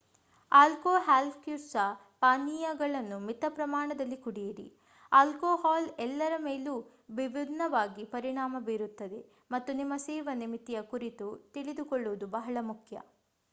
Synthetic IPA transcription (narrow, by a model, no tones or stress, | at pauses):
aːlkoːɦaːlpkjusɐ | paːnːiːjaɡɐɭɐnːumit̪ɐpɾɐmaːɳɐd̪ɐlːikuɽijiɾḭ | aːlkoːhaːlɛlːɐɾɐmeːluː | ʋibid̪nɐʋaːɡipɐɾiɳaːmɐbiːɾut̪ːɐd̪e̞ | mɐt̪ːunimːɐseːʋɐnimit̪ːijɐkuɾit̪ut̪iɭid̪ukɔɭːuʋud̪ubɐɦɐɭɐmukʰjɐ̰